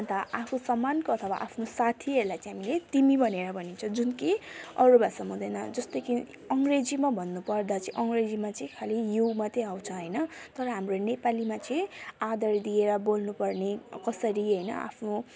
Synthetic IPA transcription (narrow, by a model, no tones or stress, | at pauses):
ʌnt̪aʔapʰusʌmːankoʌt̪ʰʌwa̰ʔapʰnosat̪ʰiʌɾulajt͡sʌ̃ɦamilet̪imibʱʌneɾʌbʱʌnint͡sʰʌd͡zunkeʌɾubasʌmud̪ʱʌjnʌd͡zʌst̪ʌki | ʌŋɡred͡zimabʱʌnːupʌrd̪at͡sʌĩʔʌŋred͡zimat͡sʌĩkʰalijumat̪ʰeaw̃t͡sʰʌɦʌjnʌt̪ʌɾʌɦamronepalimat͡sʌĩad̪ʌɾd̪ieɾʌbolnupʌrnekʌsʌɾiɦʌjnʌ̰a̰pʰno